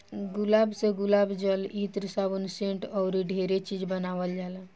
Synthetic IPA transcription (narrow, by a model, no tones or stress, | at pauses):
ɡʊlaːbseɡʊlaːbd͡ʒəlit̪ɾəsabunsẽɳʈɔʊɾiɖʱeɾet͡ʃid͡ʒbənaːʋəld͡ʒala